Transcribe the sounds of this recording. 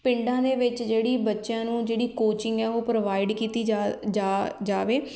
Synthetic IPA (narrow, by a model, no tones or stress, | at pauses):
pɪ̃ɳɖãːd̪eːʋɪt͡ʃd͡ʒeːɽiːbətːʃjãːnũːd͡ʒeːɽiːkoːt͡ʃɪŋɡɛːoːpɾəʋaːɪɖkiːt̪iːad͡ʒaːd͡ʒaːʋeː